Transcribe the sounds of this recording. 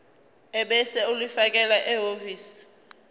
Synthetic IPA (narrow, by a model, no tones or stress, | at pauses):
ɛɓɛsɛulifak̬ʼɛlaʔɛɦoviːsi̥